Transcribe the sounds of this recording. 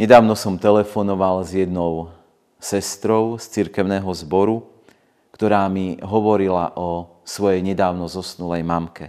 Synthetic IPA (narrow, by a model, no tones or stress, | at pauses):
ɲɛd̪aːʊnɔsɔmt̪ɛlɛfɔnɔʋalzjɛd̪nɔʊ | sɛst̪ɾɔʊst͡siɾkɛʊnɛːɦɔzbɔɾu | kt̪ɔɾaːmiɦɔʋɔɾila̰ʔɔ | sʋɔjɛjɲɛd̪aːʊnɔzɔsnulɛjmamkɛ